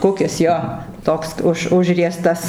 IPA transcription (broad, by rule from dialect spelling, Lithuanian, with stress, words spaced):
ˈkʊkʲɪs ˈjoː ˈtoːks ˈʊʃ ˈʊʒʲrʲiɛstɐs